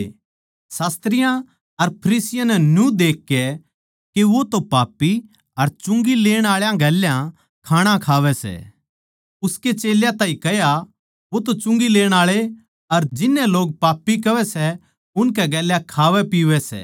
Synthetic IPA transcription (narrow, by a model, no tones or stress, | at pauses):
saːst̪ɾɪjã | ɐɾpʰɐɾiːsɪjãnɛnjũd̪eːkːɛ | keʋot̪opaːpːi | ɐɾt͡ʃʊ̃ŋɡileːɽ̃aːɭjãɡɛːljã | kʰaːɽ̃ãkʰaːʋɛsɛ̰ː | ʊsket͡ʃeːljãt̪aːĩkɐja | ʋot̪ot͡ʃʊ̃ŋɡileːɽ̃aːɭe | ɐɾd͡ʒɪnːɛloːɡ̚paːpːikɐʋɛsɛ | ʊnkɛɡɛːljãkʰaːʋɛpiːʋɛsɛ̰ː